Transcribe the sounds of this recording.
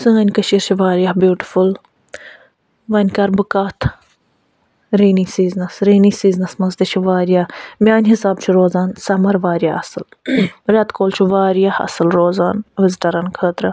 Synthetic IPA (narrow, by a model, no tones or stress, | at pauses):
sɨ̃ːɐnʲkəʃiːɾt͡ʃʰiʋaːɾjaːhbjuːʈiful | ʋɐnʲkɐɾbɨkaːt̪ʰ | ɾiːnisiːznɐsɾiːnisiːznɐsmɐzd̪it͡ʃʰuʋaːɾijaːmʲaːnʲɦisaːb̚t͡ʃʰuɾoːzaːnsɐmɐɾʋaːɾjaɐsɨlɾʲɐt̪koːlt͡ʃʰuʋaːɾijahɐ̰sɨlɾoːzaːnʋɪzʈɐɾɐnkʰəːt̪ɾɐ